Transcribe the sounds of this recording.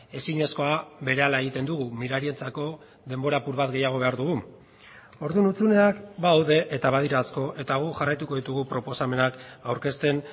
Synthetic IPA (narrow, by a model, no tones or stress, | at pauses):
e̞siɲe̞sko̞aβe̞ɾe̞alae̞ɣit̪e̞nd̪uɣumiɾaɾie̞nt͡sako̞ | ðe̞mbo̞ɾapuɾβat̪ɡe̞jaɣ̞o̞β̞e̞aɾðuɣu | o̞ɾðunut͡sune̞akbaːwðe̞ʔet̪aβaðiɾaːsko̞ʔe̞t̪aɣ̞uʝarajt̪uko̞ðit̪uɣupɾo̞po̞same̞nakawɾke̞st̪e̞n